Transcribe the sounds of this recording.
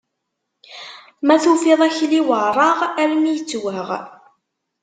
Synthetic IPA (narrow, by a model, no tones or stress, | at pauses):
mæθufiðˤæçliwərˤɑʁæɾmijət͡sːwəʁ